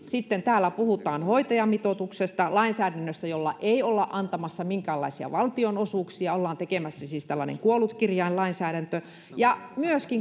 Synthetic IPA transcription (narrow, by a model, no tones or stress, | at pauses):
sit̪ːent̪æːlːˑæpuhut̪ɑːnhoit̪ɑjɑmit̪ot̪uksest̪ɑlɑinsæːɾænːøst̪æjolːɑ̰ʔeiolːɑʔʔɑnt̪ɑmɑsːɑmiŋkæːlːɑ̰isiɑ̰ʋɑlt̪ionosuːˑksiɑolːɑːnt̪ekemæsːæsiːst̪ælːɑnḛŋkuolˑut̪kirjɑillɑinsæːɾænt̪ø | jɑmyøskiŋ